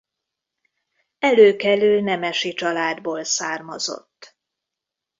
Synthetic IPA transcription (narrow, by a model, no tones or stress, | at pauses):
ɛløːkɛlylnɛmɛʃit͡ʃɒlaːd̪boːlsaːrmɒzo̰t̪ː